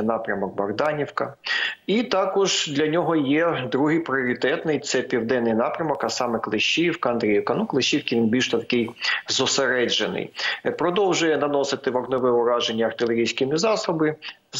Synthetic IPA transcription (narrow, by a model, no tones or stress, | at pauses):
nɑpɾʲɐmɔk̚bɐɣd̪ɑnʲiwkɐit̪ɑkɔʒd̪lʲɐnʲɔɦɔjɛd̪ɾuɦɪjpɾʲɪɔɾʲɪt̪ɛt̪nɪjt̪sɛpʲiwd̪ɛnːɪjnɑpɾʲɐmɔkɐsɑmɛklˠɪʃʲːiwkɐɐnd̪ɾʲejɪwkɐnuklˠɪʃʲːiwkʲɪʋʲinbʲilʲʃt̪ɔt̪ɐkɪjzɔseɾɛd͡ʒenɪ̰jpɾɔd̪ɔwʒʊjɛnɐnɔsɪt̪ɪʋɐɡnɔʋɛʊɾɑʒenʲːɐɐrt̪ɪlʲˠeɾʲijsʲkɪmʲizɑsʊbɪ